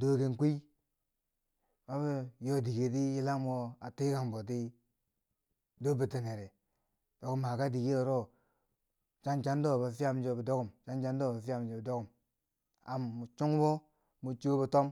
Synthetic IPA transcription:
do˦ki˨nkʷi˦ | ma˦βi˦jo˦di˨ɡe˨ti˦i˦la˦mo˦a˨ti˦ka˨ŋbo˨t̬i˦ | do˦bi˨ti˨ne˨ɾe˨ | d̥o˨ɡu˦mha˨ka˦di˨ɡi˦o˨ɾo˦ | t͡ʃa˦nt͡ʃa˦n˦do˦˨ba˨fi˦ja˦m˦d͡ʒo˨bi˨do˦ɡu˨mt͡ʃa˦nt͡ʃa˦n˦do˦˨a˨fa˨md͡ʒo˨bi˨do˦ɡu˨m | a˨mːu˨t͡ʃu˦ŋ˦bo˦ | mu˨t͡ʃu˦bi˨to˦m

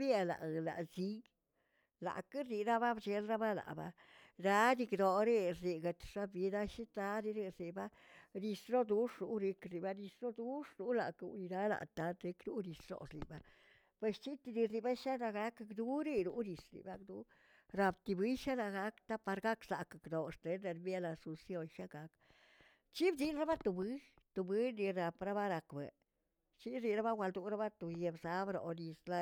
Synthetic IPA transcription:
bja˧la̰˨la̰˨zi˦ | la̰˨ka˦ɾi˧ɾa˦ba˦bd͡ʒe˧lɾa˦ba˦la̰˨ba̰˧ | ɾa˧˦d̪i˧kd̪o˨ɾe˦ɾi˨ɡa˧t̪ʂa˦bi˧˦d̪a˦ʃi˦t̪a˧˦ɾi˦ɾe˧ɾi˨ba˦ | ɾi˧slo˦d̪u˦ʂɾu˦ɾe˧kɾi˨ba˧˦ɾi˧slo˦d̪u˦ʂɾu˦la̰˨kṵ˨˧ni˧ɾa˦la̰˨t̪a˨˦t̪ɾe˧˦kɾu˦ɾi˨slo̰˨slḭ˨ba˦ | pwe˧st͡ʃi˦t̪i˧d̪i˧sli˧ba˦ʃa˦na˧ɡa˦kkd̪u˦ɾi˦ɾu˦ni˧sɾḭ˨ba˦kd̪u˧˦ | ɾa˧bt̪i˧bɨ˦jʃa˦la˧ɡa˦kt̪a˦pa˧ɾɡa˦ksa̰˨ka˨kno˨ʂt̪e˨˦ne˧nmje˦la˧su˧nsjo˧nʃa˦ɡa˨˧k | t͡ʃi˦bd̪i˧nɾa˦ba˦t̪o˧bɨ˦ | t̪o˨bi˦ni˧ɾa˨pɾa˦ba˦ɾa˧kbḛ˨ | t͡ʃi˦ɾi˧ɾa˦ba˦wʷa˧ld̪u˧˦ɾa˦ba˦t̪o˨je˧bza˦bɾo̰˨ni˧sla˧

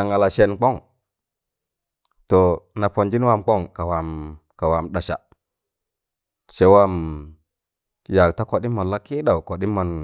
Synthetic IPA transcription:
a˨ŋa˨la˨ʃe˨nk͡po˦ŋ | to˨na˨po˨nd͡ʒi˦nwa˦mk͡po˦ŋka˨wa˨mka˨wa˨mɗa˨ʃa̰˨ | se˨wa˦m˨ | ja˨kta˦ko˨ɗi˦mːa˨la˦ki˦ɗa˨wko˨ɗi˦mːa˨n

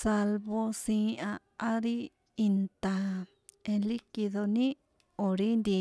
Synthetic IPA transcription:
sa˧lβo˧sĩː˧˦a˧ | a˦ɾi˦ | i˧nt̪a˨ | ẽ˧li˦ki˧ðo˧nĩ˦ | o˨ɾi˦nd̪i˧

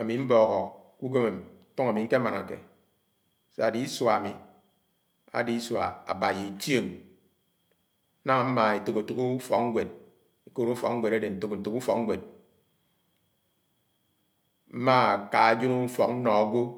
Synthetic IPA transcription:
a˨mi˨m̩˦bɔ˨ɣɔ˨ku˦ɡe˦me˨m˦tu˦ŋa˨mi˨ŋ̩˦ke˦ma˨na˨kḛ˨ | se˦a˨di˨˦swa˨mi˨ | a̰˨di˦sa̰˨a̰˨ba˨je˨tje˦˨m˦ | na˦ŋa˨m̩˦ma˨e˨to˨ko˨tu˨ku˦fɔ˨k̚ŋ̩˦ɡʷe˨d̚ | e˨ko˦ɾu˦fɔ̰˨kŋ̩˦ɡʷe˨ɾa˦de˨n̩˨to˦kn̩˨tu˨ku˦fɔ˨k̚ŋ̩˦ɡʷe˨d̚ | m̩˦ma˦˨ka˨a˨d͡ʒo˦nu˦fɔ˨k̚n̩˦nɔ˨a˦ɡʷo˦

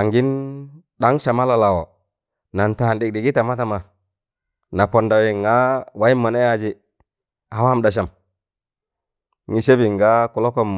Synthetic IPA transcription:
a˨ŋɡi˦n | ɗa˦ŋʃa˨ma˦la˨la˨wo˨ | na˨nta˨ndi˨k̚ɗi˨ɡi˦ta˨ma˦ta˨ma˨ | na˨po˨nda˨wi˨ŋa˦wa˦i˦mːa˨na˦ja˦d͡ʒi˦ | a˨wa˦mda˨ʃ̬a˨m | ŋi˨ʃe˦bi˨ŋɡa˦ku˨lo˦ko˦m

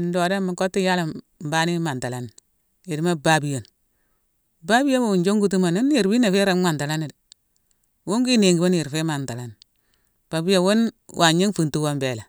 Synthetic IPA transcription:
n˦do˨da˦mi˨ko˦tːi˦ja˦la˨ | m̩˨ba˦ni˦ma˨nta˨la˦ni˨ | e˨di˦ma˦ba˦bi˨jo˨n | ba˦bi˦jo˦m˦wu˨nd͡ʒo˦ŋɡu˦t̬u˦ma˨ni˦n˦i˨ɾbi˦na˨fe˦ɾa˦mʷa˨nta˨la˦ni˨di˨ | wu˦ŋɡi˦ne˨ŋɡi˨bo˦n˦ji˨ɾfe˦ma˨nta˨la˨˦n˨ | b̥a˨bi˦jo˨wo˦nwʔa˨ɲi˦ŋfu˨ntu˦wo˦mbe˨la˨

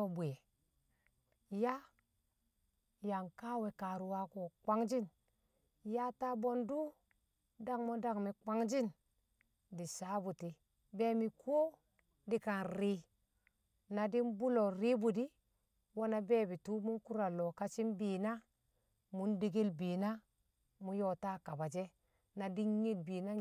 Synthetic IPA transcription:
o˨bu˨je˨ | ja˦ | ja˨ŋka˦we˨ka˨ɾu˨wa˦ko˨kʷa˦ŋd͡ʒi˦n | ja˦ta˦bo˦ndu˦ | da˦ŋmo˦da˦ŋmi˨ka˦ŋd͡ʒi˦n | di˨sa˦bu˨ti˨ | be˦mi˨kʰo˦ | di˨ka˨nɾi˦ | na˨di˦nbu˦lo˨ɾi˦bu˨di˦ | wo˦na˦be˦˨bi˨tu˦mu˦ku˦ɾa˨lo˨ka˦t͡ʃi˦nbiː˨na˦ | mu˦ndi˦ɡi˦lbi˨na˦ | mu˦jo˦˨ta˦ka˨ba˨d͡ʒe˦ | na˨di˦nɲi˦d̚bi˨na˦

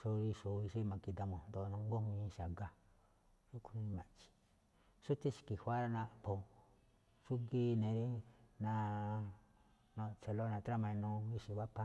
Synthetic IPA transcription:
so˧ɾi˧ʂo˨˧i˧ʃi˦˧mã˨ki˧d̪a˧mõ˨nd̪o˧nõ˧˦ŋɡo˦hĩ˧˦˧ʃa˨ɡa˦ | ju˦ku˧ĩ˧nĩ˧mã˨t͡ʃi̥˨ | su˦t̪e˦ʃi̥˧˨ki˨hʷa˦ɾa˦nã˧˨po˧˨ | ʂu˦ɡi˦nẽ˨ɾi˦nã˧ | nõ˧t͡ʃe˨lo˦nã˧t̪ɾa˦mã˧ĩ˧nõ˧i˧ʃi˧˨βa˦pã˦

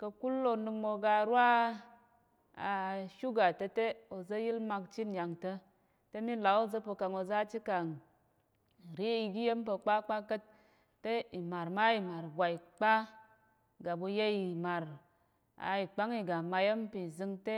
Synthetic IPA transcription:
kə˧ku˦lːo˧nɨ˧kmo˧ɡa˧˨ɾwa˦ | a˨ʃu˦ɡa˨tə˧te˦o˨zə˦ji˦lma˧kt͡ʃi˦nja˨ŋtə˧ | te˦mi˦la˨˦o˦zə˦po˧ka˨ŋo˧za˦t͡ʃi˦ka˨ŋ˨ | ɾi˦i˧ɡi˦je˦m˦pə˧k͡pa˦k͡pa˦kə˦t̚ː | e˦i˨ma˨ɾma˦i˨ma˨ɾɡʷa˨i˨k͡pa˦ | ɡa˨bu˧je˦i˨ma˨ɾ | a̰˨i˨k͡pa˦ŋi˧ɡa˨ma˧je˦mpi˨zɨ˧ŋte˦

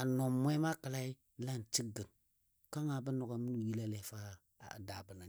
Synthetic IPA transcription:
a˨no˨mmʷ˦e˦ma˦kə˨la˦i˦ | la˦˨n˨t͡ʃi˦ɡə˨n | ka˦ŋa˨bə˦no˨ɡa˨mi˦nu˨ji˦la˦le˨fa̰˦˨ | da˨bə˨na˨

